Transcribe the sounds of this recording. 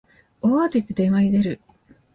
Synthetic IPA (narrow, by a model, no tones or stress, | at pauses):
oat̪ekɯd̪emaid̪eɾɯ̟